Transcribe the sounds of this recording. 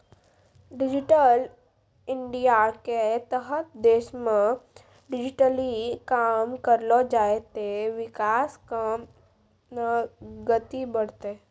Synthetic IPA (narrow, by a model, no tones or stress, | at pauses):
ɖɪd͡ʒʈəl | ɪ̃ɳɖijaket̪əɦət̪̚d̪eːʃmẽ | ɖɪd͡ʒɪʈəlikaːmkəɾlod͡ʒaːet̪eʋɪkaːskam | naɡət̪ibəɽ̤t̪e